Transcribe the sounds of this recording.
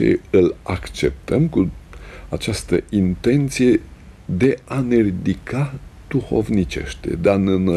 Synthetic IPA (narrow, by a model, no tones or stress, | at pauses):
ḛɨlakt͡ʃe̞p̚t̪əmkuat͡ʃast̪əint̪e̞nt̪sije̞ | d̪e̞anerid̪ikad̪̥uxo̞vnit͡ʃe̞̰ʃt̪ḛd̪eanen